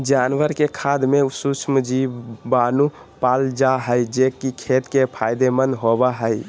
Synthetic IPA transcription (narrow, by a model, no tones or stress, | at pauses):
d͡ʒanʋəɾkekʰad̪meusut͡ʃʰmd͡ʒibanu | pald͡ʒaɦəjd͡ʒekikʰet̪kepʰajd̪emənd̪ɦobaɦəj